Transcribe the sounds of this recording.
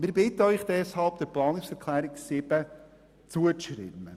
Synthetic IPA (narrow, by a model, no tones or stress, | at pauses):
mɪːɾbɪtəœʏχd̪̥ɛshɑlpd̥̪ɛɾplɑːnɪksɛɾkʰlæːɾɪksɪb̥ə | t͡suəʃɾɪ̰mə